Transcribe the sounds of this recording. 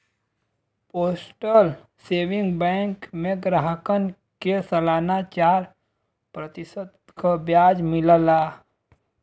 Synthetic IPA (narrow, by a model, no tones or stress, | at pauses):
poːsʈəl | seːʋɪ̃ŋɡbɛ̃ːŋkmẽɡɾaɦəkən | kesəlaːnat͡ʃaːɾ | pɾət̪ɪsəd̪ | kabjaːd͡ʒmɪləlaː